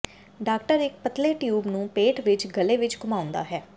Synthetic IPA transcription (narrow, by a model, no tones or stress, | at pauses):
ɖaːkʈəɾɪk̚pət̪leːʈjuːbnũːpeːʈʋɪt͡ʃɡəleːʋɪt͡ʃkʊmaːʊ̃nd̪a̰ːɦɛː